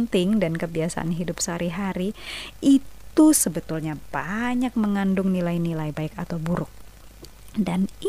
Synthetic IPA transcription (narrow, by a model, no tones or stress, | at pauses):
nt̪ɪŋdankəbiasa̰ʔa̰nɦidʊpsəɦaɾiɦaɾiitt̪usəbət̪ulɲab̥aɲak̚məŋandʊŋnilajnilajbaɪkat̪awbuɾʊk̚ | dan